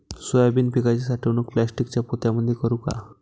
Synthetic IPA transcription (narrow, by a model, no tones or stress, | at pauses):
sojabinpikajt͡ɕasaʈʰewnokplɛsʈikt͡ɕapot̪jaməd̪ʱjekɔɾuka̰